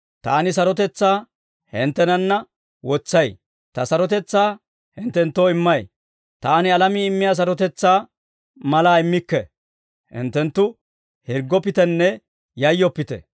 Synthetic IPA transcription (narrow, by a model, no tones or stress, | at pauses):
t̪aːnɪs̬ɐɾɔt̪̬ɛt͡sːaː | hɪnt̪ːɛnɐnːɐ | wɔt͡sːɐj | t̪ɐsɐɾɔt̪ɛt͡sːaː | hɪnt̪ːɛnt̪ːoːɪmːɐj | t̪aːnɪɐlɐmiːɪmːɪjaːs̬ɐɾɔt̪ɛt͡sːaː | mɐlaːɪmːɪkːɛ̰ | hɪ̰nt̪ːɛnt̪ːʊ | hɪɾɡːɔpɪt̪ɛnːɛ | jɐjːɔpːɪt̪ɛ̰